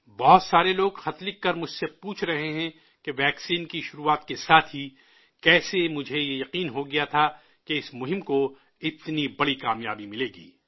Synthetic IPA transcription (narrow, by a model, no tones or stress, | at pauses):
bɔɦt̪saːɾeloːɡxɐt̪lɪkːɐɾmʊd͡ʒʱsepuːt͡ʃʰɾɐɦeɦɛ̃ | keʋɛːksiːnkiʃʊɾuːaːt̪kesaːt̪ʰɦi | kɛːsemʊd͡ʒʱejejɐqiːnɦoɡɐjat̪ʰa | keɪsmʊɦɪ̃mko | ɪt̪nibɐɽikaːmjaːbimɪleːɡḭː